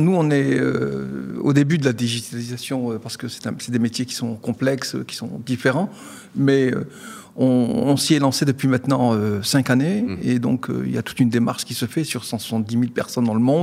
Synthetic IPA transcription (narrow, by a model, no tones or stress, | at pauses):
nuɔ̃nɛø̰o̰d̪ebyd̪əlad̪iʒit̪alizasjɔ̃øpaʁsə̥kəsɛ̥t̪ɛ̃sɛd̪emet̪jekʲi̥sɔ̃kɔ̃plɛksø̰kʲi̥sɔ̰̃d̪ifeʁɑ̃ | mɛø̰ | ɔ̃ːsiɛlɑ̃sed̪əpɥimɛ̃t̪nɑ̃øsɛ̃kaneed̪ɔ̰̃kʰø̰ḭlja̰t̪u̥t̪ynd̪emaʁʃkʲisəfɛsyʁsɑ̃swḁsɑ̃t̪̚d̪imilpɛʁsɔnd̪ɑ̃ləmɔ̃d̪